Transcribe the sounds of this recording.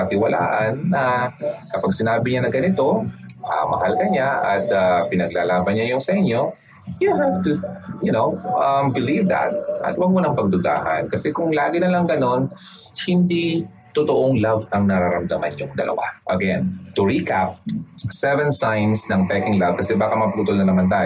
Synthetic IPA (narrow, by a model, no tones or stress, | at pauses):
pɐt̪ɪwɐla̰ːʔɐnːɐkɐpaɡsɪnaːbɪɲanɐɡɐnɪt̪o̞ʔɐ̰mɐ̰halkɐɲaʔɐt̪̚apɪnɐɡlalaːbɐnɲajʊŋsɐʔɪɲo̞ | juɦaft̪ujʊnowʔɐmbɪlivd̪ɐ̰t̪̚ʔɐ̰t̪wɐɡ̚mʊnɐŋpɐɡ̚d̪ʊɡ̪a̰ːhɐ̰nkɐsɛkʊŋlaːɡɪnɐlɐŋɡɐno̞n | hɪnd̪i | t̪ʊt̪oʔoŋlavɐŋnɐɾaɾɐmd̪ɐmanʊŋd̪ɐlʔɐ̰wa̰ʔɐ̰kja̰nt̪ʊɹikap̚sɛvɛnsajnsnɐŋpɛkɪŋlavkɐsɛbaːkɐmɐpuːt̪olnɐnɐmant̪aːj